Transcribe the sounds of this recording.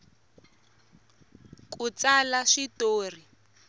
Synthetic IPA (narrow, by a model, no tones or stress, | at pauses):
k̬ʼut͡salaʂitoːr̤i